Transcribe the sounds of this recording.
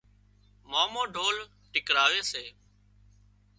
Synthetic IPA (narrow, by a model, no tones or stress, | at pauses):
maːmõːɖʱoːl | ʈɪkɾaːʋeːseː